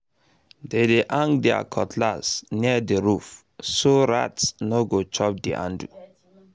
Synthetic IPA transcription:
dedeʔãŋɡdɛa̰kʰɔtʰlasniadeɾuf | soɹa̰tsnoɡot͡ʃɔp̚dḭʔã̰ndṵ

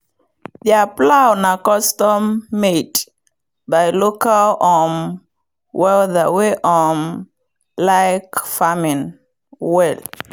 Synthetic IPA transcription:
ðiaplaʊnakɔstɔmːed | baɪlokalɔn | wɛlðəweʔɔn | laɪkfamĩn | wɛl

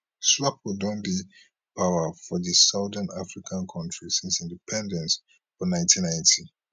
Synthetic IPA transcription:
swap̚wɔdɔ̃ndi | pʰawəfɔðisaʊðənafɹikʰãnkʰɔ̃ntɹisĩnsĩndipʰɛ̃ndɛ̃ns | fɔnãɪ̃ntĩnːãɪ̃ntʰi

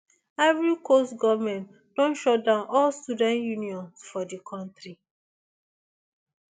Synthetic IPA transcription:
ɛvɹikostɡɔvmɛ̃nt | d̥ɔ̃nʃɔdãʊ̃nʔɔlstudɛ̃ntjuniɔ̃nsfɔdikʰɔ̃ntɹi

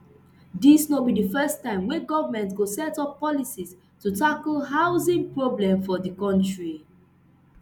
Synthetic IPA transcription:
disnobidifɛstãɪ̃mwɛ̃ɡɔvəmɛ̃ntɡosɛtɔpːɔlisis | tutaklɦaʊzĩŋpɹoblɛ̃mfɔdikɔ̃ntɹi

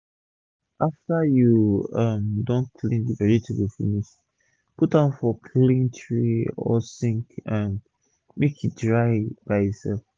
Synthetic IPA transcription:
ʔaftajuʌmdɔ̃nkʰlĩndibɛɹitʰuwifḭniʃ | putãnfɔkʰlĩntʰɹiɔ̰sĩŋkãn | mekʰjudɹaɪb̥aɪjɔsɛ̰lf

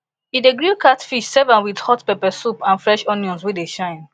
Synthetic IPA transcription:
ideɡɹikatfiʃsɛvə̃nwidhɔtpɛpɛsupãnfɹɛʃɔnjɔ̃nswedeʃãɪ̃n

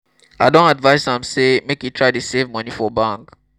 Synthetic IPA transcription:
adõnadvaɪsãmsemekjutʰɹaɪtusevmʌnifɔbãŋk

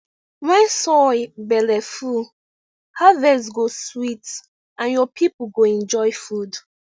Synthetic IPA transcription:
maɪsɔbɛlɛfu | havɛsɡoswit | ãnjɔpʰipəɡoɛ̃nd͡ʒɔjfud

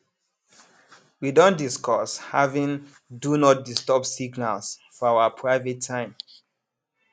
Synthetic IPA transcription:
widõndiskʰɔshavĩn | dunɔt̚distɔp̚siɡnalsfɔawapʰɹaɪvɛtʰːãɪ̃m

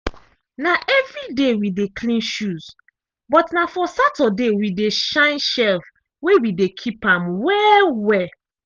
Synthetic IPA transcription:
naʔɛvɹidewidekʰlĩnʃuz | bɔtnafɔsatɔdewideʃãɪ̃nʃɛlf | wewidekʰipãmwɛwɛ

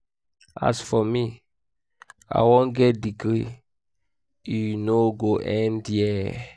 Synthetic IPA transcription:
a̰sfɔmi | a̰wõnɡɛt̚diɡɹi | junoɡoʔɛ̃ndjɛ

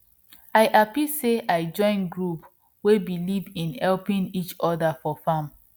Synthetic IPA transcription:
aɪʔapiseʔaɪd͡ʒɔ̃ɪ̃nɡɹup | webilivĩnhɛlpĩnit͡ʃɔdafɔfãm

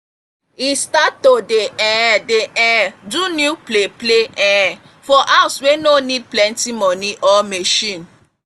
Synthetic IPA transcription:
istatodeɛ̃deʔɛ̃dunjuplepleʔɛ̃ɛ | fɔʔaʊswenonid̚plɛ̃ntimɔ̃niʔɔmeʃĩn

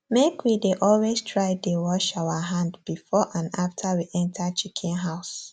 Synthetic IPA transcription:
mekwideʔɔlwestʰɹaɪdewɔʃaʊaɦãndb̥ifɔʔãnaftʰawiʔɛ̃ntʰat͡ʃikʰĩnɦaʊs

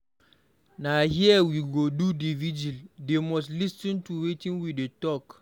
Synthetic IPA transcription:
nahiɛwiɡodudivid͡ʒildemɔs̬lisɔ̃ntuwetĩnwidetɔk

